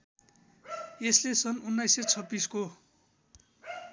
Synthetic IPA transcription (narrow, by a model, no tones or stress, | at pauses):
eslesʌnunːajset͡sʰʌbːisko